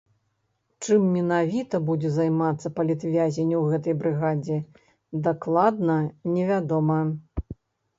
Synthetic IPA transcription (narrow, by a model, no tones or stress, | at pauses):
t͡ʂɨmːʲɛnavʲit̪ɐbud͡zʲɛzajmat̪sːɐpɐlʲit̪vʲazʲenʲːuwɣɛt̪ɐjbɾɨɣad͡zʲɛ | d̪aklˠad̪nɐnʲɛvʲad̪ɔmɐ